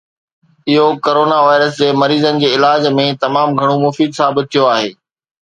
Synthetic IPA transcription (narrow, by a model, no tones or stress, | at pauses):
ɪɦokoːɾoːnaʋaːɪɾəsd͡ʑeːmɐɾiːzənɪ̆d͡ʑeːɪlaːd͡ʑmẽt̪ɐmaːmɡʱɐɽ̃omʊfiːd̪saːbɪt̪̚ʰːijoaːɦḛː